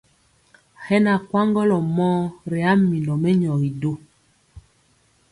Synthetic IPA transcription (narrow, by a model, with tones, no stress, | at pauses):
hɛ˦na˨kwa˦ŋɡɔ˦lɔ˨mɔː˦ɾɛ˨a˦mi˨nɔ˨mɛ˦ɲɔ˨ɣi˨do˦